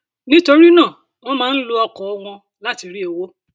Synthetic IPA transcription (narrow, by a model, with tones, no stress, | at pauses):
nĩ˦to˧ɾi˦nãː˦˨ | w̃ɔ̃˦mãː˦n̩˦lo˧ɔ˧kɔ˨ɔ˦w̃ɔ̃˧ | la˦ti˧ɾi˦o˧wo˦